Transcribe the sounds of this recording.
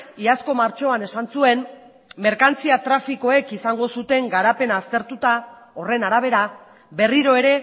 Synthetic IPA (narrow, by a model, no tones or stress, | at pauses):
iasko̞maɾt͡ʃo̞ane̞sansue̞n | me̞ɾkant͡siat̪ɾafiko̞e̞kisaŋɡo̞sut̪e̞ŋɡaɾape̞naːst̪e̞ɾt̪ut̪a | o̞re̞naɾaβ̞e̞ɾa | be̞riɾo̞e̞ɾe̞